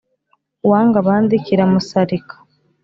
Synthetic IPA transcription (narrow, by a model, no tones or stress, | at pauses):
waːŋɡaβaːndiciɾamusaɾikʰḁ